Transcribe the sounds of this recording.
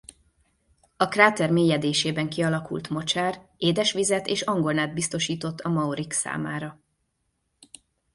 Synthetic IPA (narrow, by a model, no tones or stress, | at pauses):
ɒkraːt̪ɛrmeːjɛd̪eːʃeːbɛŋkiɒlɒkṵlt̪mo̞t͡ʃaːreːd̪ɛʃʋizɛt̪eːʃɒŋɡo̞lnaːd̪̚bist̪o̞ʃiːt̪o̞t̪ːɒmɒoɾiksa̰ːmaːɾɒ